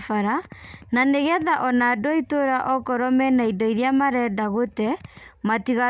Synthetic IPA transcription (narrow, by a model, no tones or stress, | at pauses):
faɾananeɣɛðaʔɔnadɔitoɾaʔɔkɔɾɔmɛnaidɔiɾjamaɾɛdaɣotɛmatiɣa